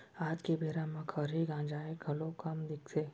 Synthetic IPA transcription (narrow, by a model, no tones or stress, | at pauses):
aːd͡ʒkebʱeːɾãmãkʰəɾɦiɡãːd͡ʒaːeɡʱɐlõkɐmd̪ɪkʰseː